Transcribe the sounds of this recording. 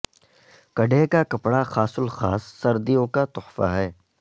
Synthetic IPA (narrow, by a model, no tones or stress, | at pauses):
kɐɖekakɐpɽaxaːsʊlxaːsːɐɾd̪ijõkat̪ʊħfa̰ɦɛː